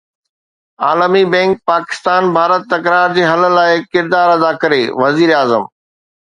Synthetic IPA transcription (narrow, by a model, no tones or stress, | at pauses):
aːləmibɛ̃ːŋk̚paːkɪ̥st̪aːnbʱaːɾət̪ːɐkɾaːɾd͡ʑeːɦɐlə̆laːɪkɪɾd̪aːɾɐd̪akɐɾeʋɐziːɾaːzəm